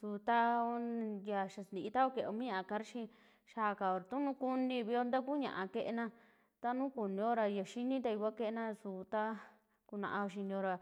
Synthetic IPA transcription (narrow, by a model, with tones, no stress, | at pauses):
su˧t̪a˦o˧˦ja˧ʃa˨snd̪i˨ʔi˧t̪a˦o˦ke˨˧o˧mĩ˦ã˧ʔa˧ka˧ɾʃĩ˦ | ʃaː˧˨ka˨o˨ɾa˨t̪ũ˦nũ˦ku˦nĩ˧βi˧o˧nd̪a˦ku˦ɲã̰˧ʔã˧ke˧ʔe˧nã˧ | t̪a˦nũ˦ku˨nĩ˧o˦ɾa˧a˨ʃi˦nĩ˦t̪̬a˧i˧kʷa˦ke˧˦ʔe˧nã˦˧su˧t̪a˦ | ku˧nã̰˧ʔã˧o˧ʃ̬i˧nĩ˧o˧ɾa˧